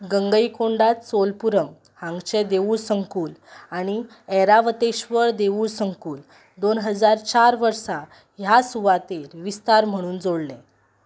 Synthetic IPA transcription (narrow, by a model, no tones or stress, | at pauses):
ɡəŋɡəikoɳɖat̪solpuɾəŋɡ | hãŋɡt͡ɕed̪eʋuːɭsəŋkuːlaɽ̃i | ɛɾaʋət̪eɕʋəɾd̪eʋuːɭsəŋkuːl | d̪onɦəd͡zaɾt͡ɕaɾʋəɾsa | jasuʋat̪eɾʋist̪aɾm̤əɽ̃uːnd͡zoɽlɛ̃